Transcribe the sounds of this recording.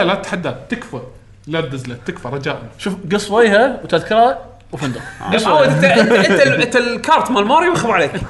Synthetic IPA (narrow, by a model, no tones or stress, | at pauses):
alat̪ḁħad̪ːat̪ɪkfa | lad̪ɪzlat̪ːɪkfaɾˤɑd͡ʒaːʔʃuːfɡɨsˤːweːɦawt̪aðkɑɾˤha | wfɪnd̪aɡɑsˤat̪aaɪnt̪alkɑːɾˤt̪malmɑːɾˤjwaxaðʕaleːk